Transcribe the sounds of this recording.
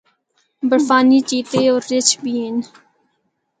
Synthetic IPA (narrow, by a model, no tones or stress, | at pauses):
bəɾfaːniːt͡ʃiːt̪eːoːɾːɪt͡ʃʰbiːɪn